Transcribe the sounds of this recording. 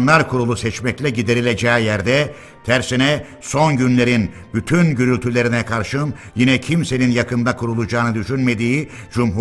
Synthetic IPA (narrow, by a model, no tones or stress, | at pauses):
nlˠaɾkʰuɾulˠusɛt͡ʃmɛclʲɛɟid̪e̞ɾilʲe̞d͡ʒɛːjæɾd̪ɛ | t̪ʰæɾsinɛ | so̞nɟynlʲe̞ɾin | byt̪ʰynɟyɾylʲt̪ʰylʲe̞ɾinɛkʰaɾʃɯm | jinɛcʰimse̞ninjakʰɯnd̪akʰuɾulˠud͡ʒaːnɯd̪yʃynme̞d̪iː | d͡ʒumɦu